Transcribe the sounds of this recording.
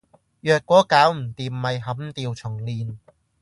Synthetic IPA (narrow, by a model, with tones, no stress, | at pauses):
jœː˨k̚ʷːɔː˨˥kaː˨˥wm̩˨˩t̪iː˨mːɐ˨jɦɐ˨˥mt̪iː˧wt͡sʰʊ˨˩ŋliː˨˧n